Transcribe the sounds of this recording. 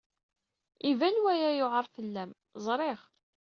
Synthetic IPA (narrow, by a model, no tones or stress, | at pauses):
ivænwæjæjoʁəɾˤfəlːæm | zˤɾˤeʁ